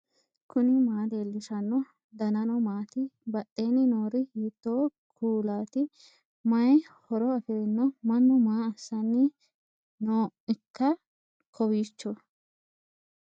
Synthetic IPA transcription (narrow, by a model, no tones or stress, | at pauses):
kʊnɪmaːd̪e̞ːlːɪʃɐnːɔ | d̪ɐnɐnɔmaːt̪ɪbɐʔːeːnɪnoːɾɪhiːt̪ːoː | kʰuːlaːt̪ɪ | mɐjhɔɾɔɐfɛɾnːɔmɐnːɔmaːɐsːɐnːɪ | noːɪkːɐ | kʰɔwiːt͡ʃːɔ